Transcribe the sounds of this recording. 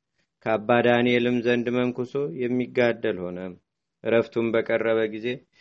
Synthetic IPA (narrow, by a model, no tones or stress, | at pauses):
kʰəabːad̪anelɨmzənd̪məŋkuso̞jɛmːiɡːad̪ːəlho̞nəm | ʔɾəft̪ʰumbəkʼərːəβəɡize̞